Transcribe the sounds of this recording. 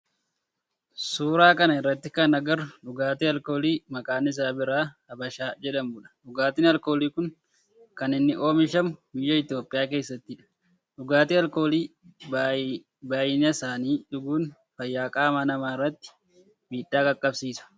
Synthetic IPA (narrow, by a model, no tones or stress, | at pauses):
suːɾaːkʼɐnɐɪrːɐt̪ːɪkɐnɐɡɐɾᶑʊɡaːt̪iːɐlkoːliːmɐkʼaːnɪs̬aːbɪɾaːhɐbɐʃaːd͡ʒɛᶑɐmbʊᶑɐ̥ɗʊɡaːt̪ɪnɐlko̞ːliːkʊn | kɐnɪnːɪʔo̞ːmɪʃɐmʊbɪjːɐɪt̪ɪjoːpʼːɪjaːk̬e̞ːsːɐt̪ːɪᶑɐ̥ | ɗʊɡaːt̪iːɐlkoːliː | baːjɪnɐsaːniːᶑʊɡuːn | fɐjːaːkʼaːmanɐmaːɪrːɐt̪ːɪ̥ | miːɗːaːkʼɐkʼːɐbsiːsɐ̥